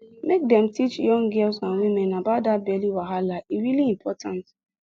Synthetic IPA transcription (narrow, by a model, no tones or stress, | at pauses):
mek̚dɛm̩tit͡ʃjɔ̃ŋɡilsãnwimenabadabeliwaɦalaiɾiliim̩pʰɔtãnt